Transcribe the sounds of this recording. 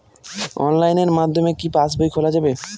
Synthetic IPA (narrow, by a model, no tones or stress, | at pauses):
ɔ̰nlajneɾmad̪ʱːomekipasbojkʰolad͡ʑabe